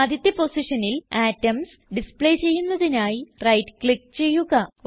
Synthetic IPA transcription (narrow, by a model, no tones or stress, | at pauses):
ɐd̪ʱit̪ːɐpo̞siʂɐnilaːtːɐms | ɖispɭeːt͡ɕe̞jːunːɐðinaːjirɐjtɨkɭik̚ːt͡ɕe̞jːuɣɐ